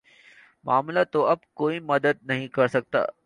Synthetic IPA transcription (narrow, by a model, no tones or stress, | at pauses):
maːmlat̪oɐbkoːimɐd̪əd̪̚nɐɦĩkɐɾsɐɡ̚t̪a̰ː